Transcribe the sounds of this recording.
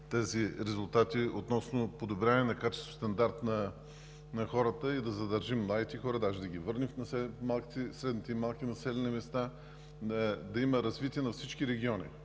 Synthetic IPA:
t̪ɛziɾɛzʊlˠt̪at̪iot̪nɔsnopod̪obɾʲavnɛnɐkat͡ʃɛst̪vʊ̥st̪ɐnd̪aɾt̪nɐ | nɐxɔɾət̪əid̪ɐzɐd̪ɐɾʒimːlˠaɡ̪ʲit̪ɛxɔɾɐd̪aʒɛd̪ɐɡʲivɤɾnifnɐsɛmalˠki̥t̪ɛsɾɛd̪nit̪ɛimalˠkinɐsɛlɛnimɛst̪a | d̪ɐiməɾɐzvit̪iɛnɐfsit͡ʃkiɾɛɡʲiɔnʲḭ

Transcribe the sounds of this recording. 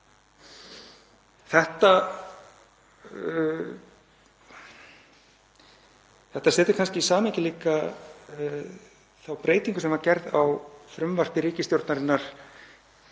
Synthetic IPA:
θɛht̪a | θɛht̪asɛːt̪ɪ̥ɾkʰanscɪisaːmecɪliːka | θawpɾʔeːjt̪iŋkʏsɛmacɛɾðawfɾʏmvar̥pɪɾiːcɪst̪jowɾt̪naɾɪnːaɾ̥

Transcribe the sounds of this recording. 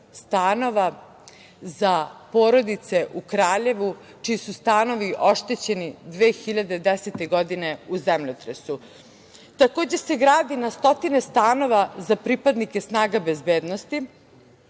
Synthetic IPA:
st̪aːno̞ʋa | zapo̞ːɾo̞d̪it̪se̞ʔukɾaːʎe̞ʋu | t͡ʃiisust̪aːno̞ʋiʔo̞ʃt̪et͡ɕe̞nid̪ʋeːxiʎad̪e̞d̪eset̪e̞ɡod̪ine̞uzemʎot̪ɾesu | t̪ako̞ːd͡ʑe̞se̞ɡɾaːd̪inast̪o̞t̪ine̞st̪aːno̞ʋazapɾipad̪nike̞snaːɡabezbeːd̪nost̪i

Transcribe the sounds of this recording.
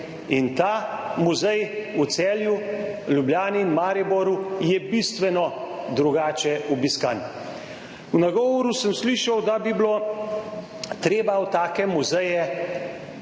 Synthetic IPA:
int̪aːmuzɛjut̪sɛːljulʲjubljaːniːnmaːɾibɔɾujɛbist̪ʋɛnɔd̪ɾuɡaːt͡ʃɛɔbiskan | unaɡɔːʋɔɾusəmsliːʃawd̪abiblo | t̪ɾeːbawt̪aːkɛmuzɛjɛ

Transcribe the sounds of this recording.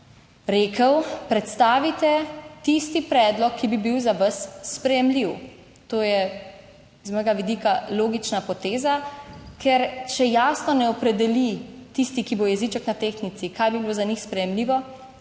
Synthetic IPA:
ɾeːkəwpɾɛt̪st̪aːʋit̪ɛt̪ist̪ipɾɛːd̪lɔkʰːibibiwzaʋəsːpɾɛjɛmliw | t̪oːjɛ | zmɔːjɡaʋid̪iːkaloːɡit͡ʃnapɔt̪eːzakʰɛɾt͡ʃɛjaːsnɔnɛɔpɾɛd̪ɛlit̪ist̪ikibojɛzit͡ʃɛknat̪eːxnit̪sikaːjbibilozanixspɾɛjɛmliːʋɔ

